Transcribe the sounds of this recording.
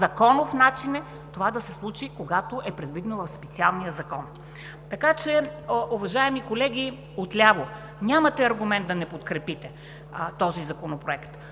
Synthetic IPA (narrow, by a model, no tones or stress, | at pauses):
zɐkɔnofnat͡ʃinɛ | t̪ovad̪ɐsɛslˠut͡ʃikoɡat̪oʔɛpɾɛd̪vid̪ɛnovɐfspɛt̪sialˠnijəzɐkɔn | t̪ɐkat͡ʃɛʔuvɐʒaɛmikolɛɡʲi | ot̪lʲavo | nʲamɐt̪ɛɐɾɡʊmɛnd̪d̪ɐnɛpot̪kɾɛpit̪ɛ | t̪ɔzizɐkonopɾoɛkt̪